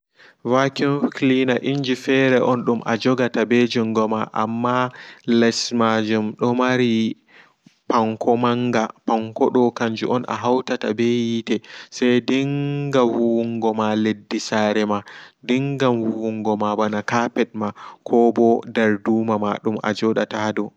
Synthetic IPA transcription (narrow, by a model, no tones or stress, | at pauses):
vakɔnfklinaʔiɲd͡ʒifɛɾɛʔɔnɗumʔa̰d͡ʒɔɡatabɛd͡ʒuŋɡɔmaʔa̰mːalɛsmad͡ʒumɗɔmaɾi | paŋkʰɔmaŋɡapaŋkɔɗɔkaɲd͡ʒuʔɔnʔa̰ɦawtatabɛjitɛsɛjdiŋɡawuŋɡɔmaledːisaɾɛmadiŋɡamwuuŋɡɔmabanakapɛɗ̚makʰɔbɔdaɾduːmama̰ɗumʔa̰d͡ʒɔɗatadɔ